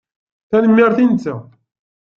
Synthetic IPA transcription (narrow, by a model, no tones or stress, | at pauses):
θænəmːiɾθint͡sːæ